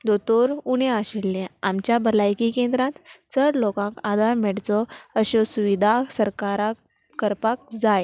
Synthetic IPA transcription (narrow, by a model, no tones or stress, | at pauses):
d̪ot̪oɾuɽ̃eaɕilːeamt͡ɕjabəlajkikẽnd̪ɾãt̪t͡səɽlokãkad̪ʱaɾmɛɽt͡sɔəɕɔsuʋid̪ʱasəɾkaɾakː | əɾpak̚d͡zaj